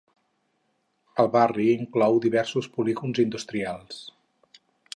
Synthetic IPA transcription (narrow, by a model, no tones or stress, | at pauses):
əlˠβariːŋklɔwd̪iβɛɾsuspuliɣunzind̪ust̪ɾialˠs